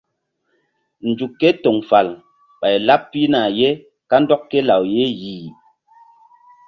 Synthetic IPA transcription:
n̩˨d͡ʒu˨kːɛ˦tɔ˨ŋfa˨l | ɓa˨jla˦p̚pːi˦na˨je˦ | ka˦n̩˦dɔ˦kkːe˦la˨wje˦jiː˨

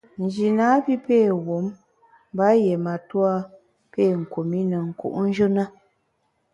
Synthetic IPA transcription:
n̩˨d͡ʒi˨naː˨˦pi˦peː˦˨wo˨˦m˦ | ba˦je˨ma˨twa˦ | peː˦˨ŋ̩˨ko˨mi˦nə˨ŋ̩˨kṵ˦˨ʔn̩˦d͡ʒɨ˦na˦

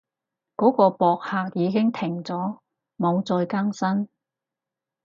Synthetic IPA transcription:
kɔː˨˥kɔː˧pɔː˧k̚haː˧k̚jiː˨˧kɪ˥ŋt̪ʰɪ˨˩ŋt͡sɔː˨˥ | mo˨˧wt͡sɔː˧jkaː˥ŋsɐ˥n

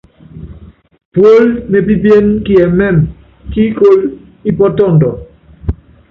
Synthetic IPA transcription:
pwo˦lme˨bi˦bje˦nki˦ɛ˨mɛ˦˨m | ki˦ko˦l | i˦pɔ˦tɔ˦˨ndɔ˨

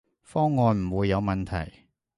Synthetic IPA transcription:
fɔː˥ŋːɔː˧nm̩˨˩wuː˨˧jːɐ˨˧wmɐ˨nt̪ʰɐ̰˨˩j

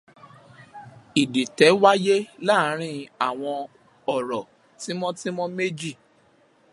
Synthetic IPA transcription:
i˨di˨tɛ˨˦wa˦je˦la˦˨˦ɾ̃ĩ˧a˦˨w̃ɔ̃˧ | ɔ˦˨ɾɔ˨ | ti˨˦mɔ̃˦ti˦mɔ̃˦me˦d͡ʒi˦˨

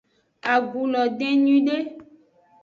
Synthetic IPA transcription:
a˨ɡu˨lɔ˨ɖẽ˦ɲĩ˦ɖe˦

